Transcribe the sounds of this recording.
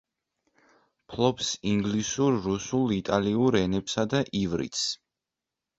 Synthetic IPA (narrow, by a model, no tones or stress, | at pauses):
pʰlˠɔpsiŋɡlisuɾːusulˠit̪ʼaliuɾɛnɛpsad̪aʔivɾḭt̪s